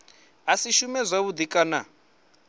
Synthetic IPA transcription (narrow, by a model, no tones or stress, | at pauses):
ɦasiʃumɛzʷaβud̪ikʼana̰